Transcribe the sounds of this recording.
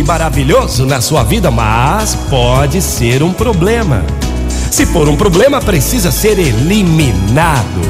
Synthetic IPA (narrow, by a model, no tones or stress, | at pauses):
ɪmaɾaviʎozʊnɐsuɐvid̪ɐmɐspɔd͡ʒɪseɾũpɾoblẽmɐ̰ | sɪfoɾũpɾoblẽmɐpɾesizɐseɾeliminad̪ʊ̰